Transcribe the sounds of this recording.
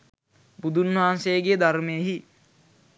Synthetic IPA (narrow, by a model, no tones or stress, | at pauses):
bud̪ʱunʋaɦansejːɡeːd̪aɾmeəɦi